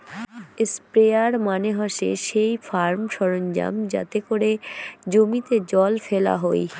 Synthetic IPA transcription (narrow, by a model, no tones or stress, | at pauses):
spɾeaɾmaneɦaʃḛʃejfaɾmʃɔɾond͡ʑa̰md͡ʑa̰t̪ekoɾed͡ʑomit̪ed͡ʑɔlfela̰ɦoj